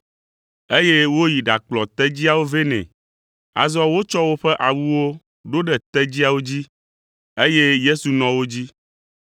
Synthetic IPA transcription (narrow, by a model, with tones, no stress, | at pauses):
e˦je˦wo˦ji˨ɖa˨k͡plɔ˨t̪ɛ˦d͡ʑi˦a˨wo˦ve˦nɛ̰̃˨ | a̰˨zɔ˦wo˦t͡ʃɔ˦wo˦ɸɛ˦ʔa˨wu˦wo˦ | ɖo˦ɖɛ˨t̪ɛ˦d͡ʑi˦a˨wo˦d͡ʑi˦ | e˦je˦je˦su˨nɔ̃˨wo˦d͡ʑi˦